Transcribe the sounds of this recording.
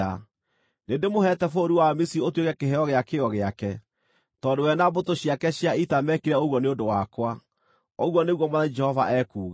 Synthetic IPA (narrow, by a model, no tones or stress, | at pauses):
a | nendemoɦɛtɛfoɾiwamisiotwekɛkeɦeɔɣeakeɔɣeakɛ | tɔdewɛnabotoɕiakɛɕjaitamɛkiɾɛoɣwɔneondowakwa | oɣwɔneɣwɔmaðad͡ʒɛhɔvaʔɛkuːɣa